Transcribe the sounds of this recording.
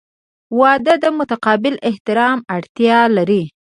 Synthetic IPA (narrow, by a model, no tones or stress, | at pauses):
wɑd̪əd̪əmʊt̪aqɑbɪlɪht̪ɪɾɑmaɽt̪jɑlaɾi